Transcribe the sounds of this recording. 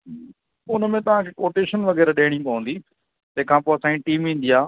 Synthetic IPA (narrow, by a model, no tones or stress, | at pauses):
ʊnmẽt̪ɐʋ̤ãkʰeːkoːʈeːʃənʋɐɣɛːɾɗeːɪɽ̃ĩkɐʋə̃ːn̆d̪iː | t̪ɐ̃ɦɪ̃kʰãːpoːɐsãːĩʈiːmʋĩːnd̪ijaː